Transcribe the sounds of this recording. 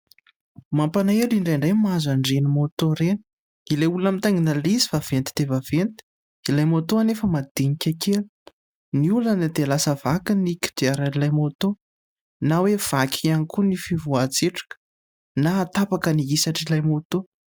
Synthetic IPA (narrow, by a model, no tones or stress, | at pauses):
mampanaeliɳɖ͡ʐejɳɖ͡ʐajmazaɳɖ͡ʐenimot̪oɾen | ilejulamit̪aŋinalizifav̥ent̪i̥d̪̥evav̥ent̪i̥ | ilajmot̪oanefəmad̪̥iɲikʲakelu̥ | niulənəd̪elasəv̥akiniki̥d̪̥iaɾanilajmot̪o | nawev̥akʲʰianikunifivuat͡seʈ͡ʂḁkə̥ | naːt̪apakəniisaʈ͡ʂilajmot̪o